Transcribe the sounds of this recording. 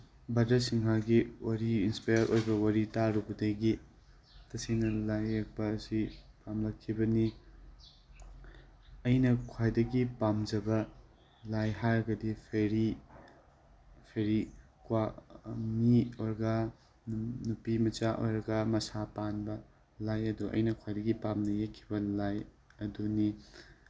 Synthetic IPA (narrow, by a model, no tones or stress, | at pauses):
bɐdɐsiŋɦaɡiwaɾiinspajɐɾʔojbɐwɐɾitaɾubɐdɐɡi | tɐsinɐlajːak̚bɐːsipamlɐkʰːibɐni | ɐjnɐkʰwajdɐɡipamd͡ʒɐbɐ | lajɦaɾɐɡɐdipʰeɾi | pʰeɾi | kwamioɾɡɐ | nupimɐt͡ʃaʔo̰jɾɐɡɐmɐsapanbɐ | lajɐduɐ̰jnɐkʰwajdɐɡipamnɐjekʰːibɐlaj | ɐduni